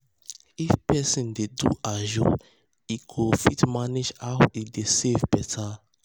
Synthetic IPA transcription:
ifpɛsĩndedṵʔaʒo̰ | ikʰofitmanid͡ʒawidesevbɛtʰa

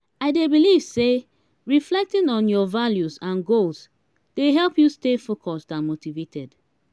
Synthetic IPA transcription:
aɪdebiliv̥se | ɹiflɛk̚tĩnɔ̃njɔvaljuzãnɡols | d̥eɦɛlˠpjustefokʰɔstãnmotivetʰɛd

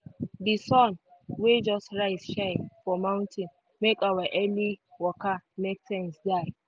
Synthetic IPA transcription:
disɔ̃nwed͡ʒɔstɹaɪsʃaɪfɔmãw̃ntʰĩn | mekawaʔɛliwɔkamek̚sɛ̃nsdaɪ

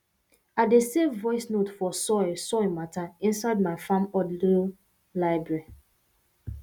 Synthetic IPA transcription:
adesevɔɪsnotfɔsɔsɔemataĩnsaɪd̚maɪfãmɔdli | laɪbɹɛɹi

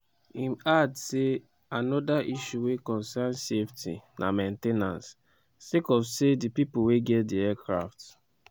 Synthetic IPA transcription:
ĩmadse | anɔdaʔiʃuwekɔ̃nsanseftʰḭnʔa̰mẽntenã̰ns | sekɔfsedipipoweɡɛtdiɛkɹaft

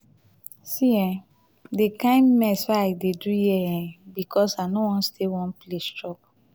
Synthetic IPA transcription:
siɛ̃ | dekãɪ̃nmɛswaaɪdedujɛɛ̃bikʰɔsanowɔ̃nstʰewɔ̃nplestɹɔp̚

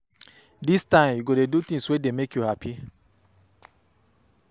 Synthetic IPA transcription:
distãɪ̃mjuɡodedut̪ĩŋswedemekjuhapʰi

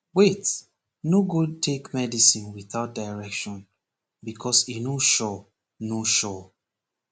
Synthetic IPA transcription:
wet | noɡud̚tʰekmɛdisĩnwiθaʊt̚daɪɹɛkʃɔ̃n | bikʰɔsinoʃɔ | noʃɔ

